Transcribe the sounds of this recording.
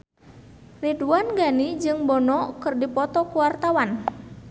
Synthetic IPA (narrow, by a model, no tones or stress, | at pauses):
riduanɡanid͡ʒɨŋbɔnɔkɨrdipɔt̪ɔkuwart̪awan